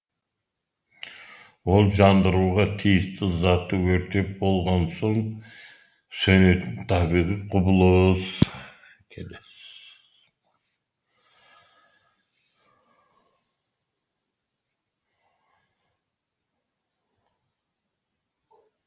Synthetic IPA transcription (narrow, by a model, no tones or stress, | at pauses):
wo̞lˠʒɑnd̪əɾuʁɑt̪ʰijɪst̪ɪzɑt̪ːəwɵɾt̪e̞p̚bo̞lˠʁɑnso̞ɴ | sønøt̪ɪnt̪ʰɑbiʁiqʰʊbʊlˠəz | kʲʰeles